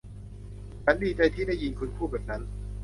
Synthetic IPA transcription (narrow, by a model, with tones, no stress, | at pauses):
t͡ɕʰa˦˥ndiː˧t͡ɕa˧jt̪ʰiː˥˩da˥˩ji˧nkʰu˧nkʰuː˥˩bɛ˨˩na˦˥n